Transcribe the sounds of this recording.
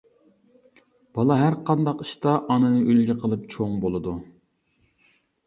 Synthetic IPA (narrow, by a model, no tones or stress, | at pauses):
b̥ɑlˠɑɦæɾqɑnd̪ɑqiʃt̪ɑʔɑnɨnɨʔylɡʲɪqʰəlˠɨp̚t͡ʃʰoŋbolˠɨd̪u